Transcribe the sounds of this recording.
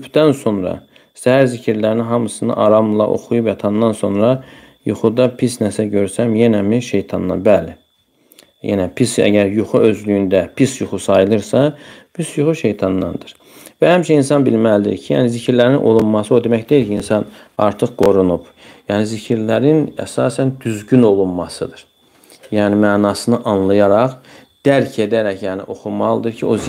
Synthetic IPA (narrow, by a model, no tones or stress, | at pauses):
ypʰd̪ænso̞nɾɑ̰ | sæhæɾzicʰiɾlæɾninɦɑmɯsɯnɑ̰ʔɑɾɑmlˠɑ̰ʔo̞̰xujupæt̪ʰɑnd̪ɑnso̞nɾɑ | juχud̪ɑpʰisnæsæɟø̞ɾsæmjenæmiʃe̞jt̪ʰɑnːɑ̰bæli | jḛnæpʰisæ̰ɟæɾjuχuø̞zlyjynd̪æpʰisjuχusɑjɯlˠɯɾsɑpʰisjuχuʃe̞jt̪ʰɑnːɑ̰nd̪ɯɾ̥ | væhæmiʃɛins̬ɑnbilmælid̪ḭɾcʰijæ̰ːnizicʰiɾlæɾinʔo̞̰lˠunmɑsɯo̞d̪e̞mæçd̪eilcʰiinsɑnɑ̰ɾt̪ʰɯχɡ̥o̞ɾunup | jæːnizicʰiɾlæɾinæ̰sɑːsænd̪yzɟyno̞lˠunmɑsɯd̪ɯɾ̥ | jæːnimæːnɑːsɯnɯʔɑnlˠɑjɑɾɑχd̪̥æɾcʰe̞d̪æɾæcʰjæːnḭʔo̞xumɑlˠɯd̪ɯɾcʰio̞